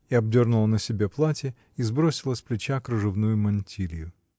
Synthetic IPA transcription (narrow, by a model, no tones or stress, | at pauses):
iɐb̚dʲornʊlˠənəsʲɪbʲe̞plˠatʲɪ | izbɾo̞sʲɪlˠəsʲplʲɪt͡ɕakɾɨʐɨvnujʊmɐnʲtʲʰilʲjʊ